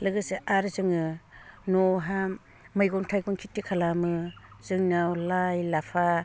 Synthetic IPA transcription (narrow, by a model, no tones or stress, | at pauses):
lɯɡɯsɯʔaɾzɯŋɯnɔɦa | majɡɔŋtʰajɡɔŋkʰitːikʰalamɯzɯŋnawlajlapʰa